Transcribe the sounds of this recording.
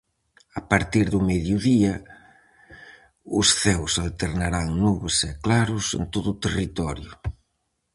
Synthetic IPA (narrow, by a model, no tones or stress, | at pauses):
apaɾt̪iɾðʊmɛðjʊðiɐ | ʊsθɛwsalt̪eɾnaɾaŋnuβʊsɛklaɾʊsḛnt̪oðʊt̪erit̪ɔɾjʊ